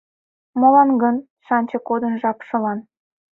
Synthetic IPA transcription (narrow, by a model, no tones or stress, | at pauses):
molɑnɡən | ʃɑnʲt͡ɕɤkod̪ənʒɑpʃɤ̆lɑn